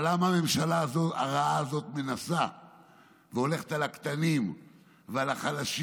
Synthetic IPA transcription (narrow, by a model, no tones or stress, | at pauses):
lamaame̞mʃalaːzo̞t̪a̰ʁaaːzo̞t̪menasa | veo̞le̞χe̥t̪alakt̪anim | vealaχalaʃ